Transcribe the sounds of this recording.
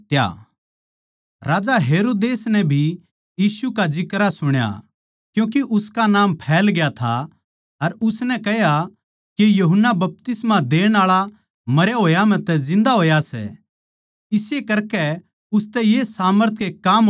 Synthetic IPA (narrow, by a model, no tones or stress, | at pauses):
t̪ja̰ | ɾaːd͡ʒaɦeːɾoːd̪eːsnɛbʱi | jiːsukad͡ʒɪkɾasʊɽ̃ja̰ | kjũːk̬iʔʊskanãːmpʰɛːlɡɪjat̪ʰa | ɐɾʊsnɛkɛɦja | kejɐɦʊnːabɐp̚t̪ɪsmad̪eːɽ̃aːɭa | mɐɾjaɦoːjamɛ̃t̪ɛzɪ̃nd̪aɦoːjasɛ̰ | ɪsjekɐɾkɛ | ʊst̪ɛjesaːməɾt̪ʰkekaːm